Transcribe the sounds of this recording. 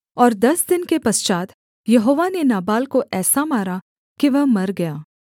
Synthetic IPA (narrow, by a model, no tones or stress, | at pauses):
ɔːɾd̪ɐsd̪ɪnkepɐst͡ʃaːt̪ | jɐɦoːʋanenaːbaːlkoʔɛːsamaːɾa | kiʋɐɦmɐɾɡɐjaː